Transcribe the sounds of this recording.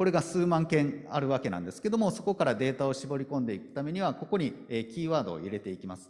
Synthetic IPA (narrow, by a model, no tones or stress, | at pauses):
ko̞ɾe̞ɡasɨːmãŋkẽ̞ŋaɾɯ̟β̞ake̞nã̰nd̪e̞sɨ̥ke̞d̪o̞mo̞so̞ko̞kaɾad̪e̞ːt̪ao̞ɕibo̞ɾʲikõ̞nd̪e̞ikɯ̟̥t̪ame̞ɲ̟iβ̞ako̞ko̞ɲ̟ieːkʲiːβaːd̪o̞̰ːiɾe̞t̪e̞ikʲimasɨ̥